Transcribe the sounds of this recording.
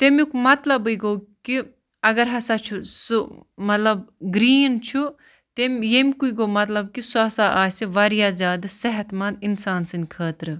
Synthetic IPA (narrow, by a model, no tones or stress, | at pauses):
t̪emikmɐt̪lɐbɨɡoːki | ɐɡɐɾɦɐsat͡ʃʰusumɐt̪lɐbɡɾiːnt͡ʃʰu | t̪emjemʲkuiɡoːmɐt̪lɐb̚kisuɐsaʔaːseʋɐɾjaːzʲjaːd̪ɐsɐɦɐt̪mɐnd̪insaːnsɨnʲkʰəːt̪ɾɨ